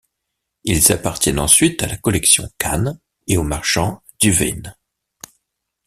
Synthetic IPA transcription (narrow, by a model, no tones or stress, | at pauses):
ilzapaʁt̪jɛnɑ̰̃sɥit̪alakɔlɛksjɔ̰̃kʰan | eomaʁʃɑ̃ | d̪̥yvɛ̰n